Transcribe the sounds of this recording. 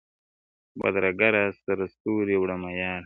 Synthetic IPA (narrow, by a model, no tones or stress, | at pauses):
ba̰d̪ɾaɡaɾasaɾast̪uːɾiwɽamajɑːɾ